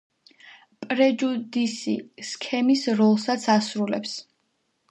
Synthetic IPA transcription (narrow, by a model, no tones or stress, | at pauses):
pʼɾɛd͡ʒud̪isiskʰɛmisɾɔlˠsat̪sʰasɾulɛ̰ps